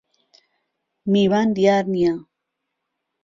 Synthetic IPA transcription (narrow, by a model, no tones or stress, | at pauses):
miβand̪jaɾnia